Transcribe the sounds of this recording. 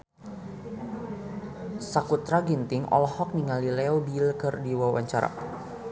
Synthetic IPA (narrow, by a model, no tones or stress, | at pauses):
sakut̪ɾaɡint̪ɪŋʔɔ̰lɔhɔk̚niŋalilɛobilkərdiwawa̰ɲt͡ʃaɾa̰